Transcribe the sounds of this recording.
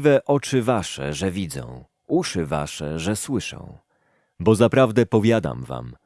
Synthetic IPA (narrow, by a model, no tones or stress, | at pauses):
vɛʔɔt͡ʂɘvaʂɛ̰ʐɛvʲid̪zɔ̰̃w̃ | uʂɘva̰ʂɛ̰ʐɛswɘʂɔ̰̃w̃ | bɔzapɾavd̪ɛpɔvʲjad̪a̰mva̰m